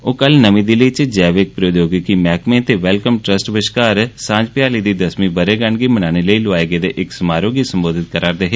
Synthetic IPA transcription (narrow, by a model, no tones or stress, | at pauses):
oːkəlnəmĩːd̪iləit͡ʃd͡ʒɛːʋek̚pɾoːd̪joːɡkimɛːkmẽːt̪eːʋɛlkəmʈɾəsʈʋɪʃkaːɾsãːd͡ʒpɪjaːliːd̪iːd̪əsmĩːbəɾeːɡəɳɡiːmənaːneːləiːlʊʋaːjɡeːd̪eːʔɪksmaːɾõːɡiːsəmboːd̪ɪt̪̚kəɾaːɾd̪eːɦeː